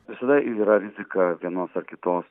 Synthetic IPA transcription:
ʋʲɪsɐd̪ɐʔiːɾɐɾʲɪzʲɪkɐʋʲiɛnoːsɐrkʲɪt̪oːs

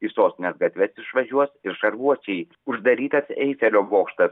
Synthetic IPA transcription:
isoːst̪ʲɪnʲɛsɡɐt̪ʲʋʲɛsɪʃʋɐʒʲuɔsɪɾʃɐɾʋuɔt͡ʃʲɛɪ | ʊʒd̪ɐɾʲiːt̪ɐsɛ̰ɪfʲɛlʲoːboːkʃt̪ɐs

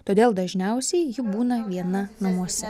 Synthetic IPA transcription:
t̪oːd̪ʲeːlˠd̪ɐʒʲnʲɛʊsʲɛɪjɪbuːnɐʋʲiɛnɐnɐmuɔsʲɛ

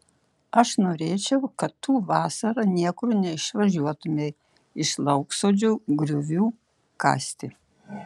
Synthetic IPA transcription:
ɐʃnoːɾʲeːt͡ʃʲɛʊkɐt̪ːuːʋɑːsɐɾɐnʲiɛkʊɾnʲɛɪʃʋɐʒʲuɔt̪ʊmʲe | ɪʃlˠɐʊksoːd͡ʒʲuɡɾʲʊʋʲuː | kɑ̰ːsʲt̪ʲɪ

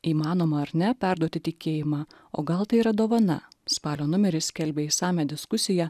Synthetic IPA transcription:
iːmɑːnoːmɐɐɾnʲɛpʲæˑɾd̪uɔt̪ʲɪt̪ʲɪkʲeːjɪmɑː | o̰ːɡɐlˠt̪ɐɪiːɾɐd̪oːʋɐnɐ̰spɑːlʲoːnʊmʲɛɾʲɪsʲkʲɛlʲbʲeːiːsɑːmʲæːd̪ʲɪskʊsʲɪjɛ

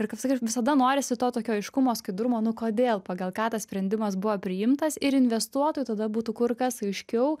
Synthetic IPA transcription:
ɪrkɐpsɐkʲiʋʲɪsɐd̪ɐnoːɾʲɪsʲɪt̪oːt̪oːkʲoːɐɪʃkʊmoːskɐɪd̪ɾʊmoːnʊkoːd̪ʲeːlˠpɑːɡɐlˠkɑːt̪ɐssʲpʲɾʲɛnʲd̪ʲɪmɐsbʊʋɐːpʲɾʲɪjɪmt̪ɐsɪɾɪnʲʋʲɛst̪uɔt̪oːjuːt̪ɐd̪ɐbuːt̪ukʊrkɐsɐɪʃʲkʲɛʊ

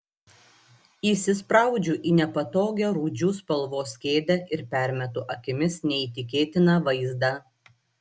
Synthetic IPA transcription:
iːˑsʲɪspɾɑˑʊd͡ʒʲuːʔiːnʲɛpɐt̪oːɡʲɛɾuːd͡ʒʲuːspɐlˠʋoːsʲkʲeːd̪ʲɛʔɪɾpʲæˑɾʲmʲɛt̪uʔɐkʲɪmʲɪsnʲɛit̪ʲɪkʲeːt̪ʲɪnɑʋɐɪzd̪ɑ

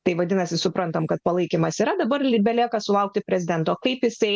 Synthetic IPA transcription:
t̪ɐɪʋɐd̪ʲɪnɐsʲɪsʊpɾɐnt̪ɐmkɐt̪̚pɐlˠɐɪkʲimɐsiːɾɐd̪ɐbɐrlʲbʲɛlʲiɛkɐsʊlˠɐʊk̚t̪ʲɪpʲɾʲɛzʲɪd̪ʲɛnt̪oːkɐɪpjɪsɐɪ

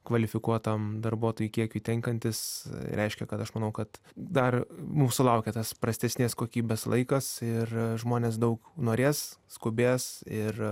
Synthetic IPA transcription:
kʋɐlʲɪfʲɪkuɔt̪ɐmd̪ɐrbuɔt̪oːjuːkʲiɛkʲuːt̪ʲɛŋkɐnʲt̪ʲɪsɾʲʔɛɪʃʲkʲɛkɐt̪ɐʃmɐnɐʊkɐt̪d̪ɐrmumsʊlˠɐʊkʲɛt̪ɐspɾɐsʲt̪ʲɛsʲnʲeːskoːkʲiːbʲɛːslˠɐ̰ɪkɐsɪrʒmoːnʲeːsd̪ɐʊknoːɾʲeːsskʊbʲeːsɪr

